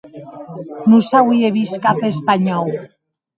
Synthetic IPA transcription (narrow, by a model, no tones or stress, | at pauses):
nusawieβiskafespaɲɔw